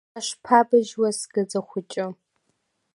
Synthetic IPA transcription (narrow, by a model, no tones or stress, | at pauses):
ɐʂpʰaːbɨʒwɐsɡɐd͡zɐxʷʊt͡ʃʼɪ